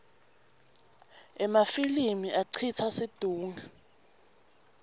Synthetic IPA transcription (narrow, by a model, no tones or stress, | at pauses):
ɛmafilimiʔaǀʰit͡sʰasid̥ʱuːŋa